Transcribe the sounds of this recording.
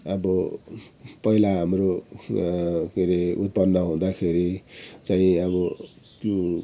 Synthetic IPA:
ʌbʌ | pʌilaɦamro | kiɾeut̪̚pʌnːʌɦũd̪akʰeɾit͡saĩʌbʌ | kjo

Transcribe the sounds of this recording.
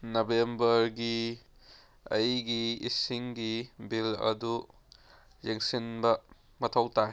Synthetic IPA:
nɐbembɐɾɡi | ɐjɡiisiŋɡibilɐ̰du | zeŋsinbɐ | mɐtʰɐwta

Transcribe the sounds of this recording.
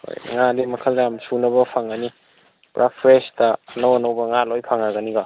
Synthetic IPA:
ho̰jŋadimɐkʰɐldamsunɐbɐpʰaŋɡani | pɾʔapʰɾestɐːnowanawbɐŋalojpʰaŋaɡɐniɡa

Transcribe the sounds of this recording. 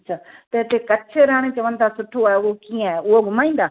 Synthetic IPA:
ɐtːʃʰaːt̪ɐɪt̪ekɐt͡ɕʰeɾaːɽ̃et͡ɕɐʋənɪt̪ʰasʊʈʰoaːeʊɦokiːə̃aːeʊɦoɡʱʊmaːĩːn̆d̪aː

